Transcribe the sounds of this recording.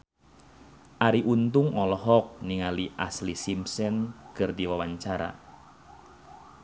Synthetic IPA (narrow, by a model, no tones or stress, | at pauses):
ʔaɾiʔunt̪ʊŋɔlɔɦɔk̚niŋaliʔa̰slisimsɛnkərt̪iwawaɲt͡ʃaɾa̰